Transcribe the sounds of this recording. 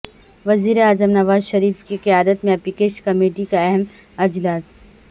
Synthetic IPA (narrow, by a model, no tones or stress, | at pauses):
ʋɐziːɾeaːzəmnɐʋaːzʃɐɾiːfkiqijaːd̪ət̪mẽɐpikeːʃkɐmeːʈikaɛɦɛmɐd͡ʒlaːs